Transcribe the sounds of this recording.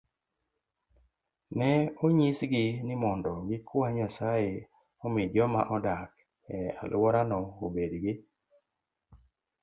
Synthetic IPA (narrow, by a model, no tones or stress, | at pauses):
nɛoɲisɡɪnɪmɔndɔɡɪkwaɲasaje | ɔmɪd͡ʒɔma̰ʔɔdak | ɛa̰lwɔɾanɔobedɡɪ